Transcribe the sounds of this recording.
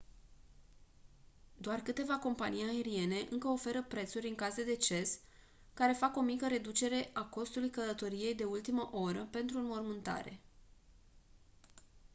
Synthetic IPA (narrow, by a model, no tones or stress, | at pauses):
d̪oarkɨt̪e̞vako̞mpanijae̞ɾie̞ne̞ʔɨŋkəo̞fe̞ɾəpɾe̞t̪suɾʲɨŋkazed̪e̞t͡ʃe̞s | kaɾe̞fako̞mikəɾe̞d̪ut͡ʃe̞ɾe̞ʔako̞st̪ulujkələt̪o̞ɾije̞jd̪e̞ult̪iməʔo̞ɾəpe̞nt̪ɾumo̞rmɨnt̪a̰ɾe̞̰